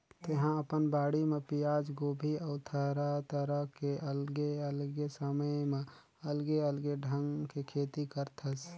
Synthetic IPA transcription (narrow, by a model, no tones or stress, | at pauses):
t̪eɦãəpənbaːɽimẽpijaːd͡ʒɡoːbʱiəʊt̪ʰəɾət̪əɾəɦkeʔəlɡeəlɡesəməjmẽ | ɐlɡeəlɡeɖʱə̃ŋɡkekʰeːt̪ikəɾt̪ʰəs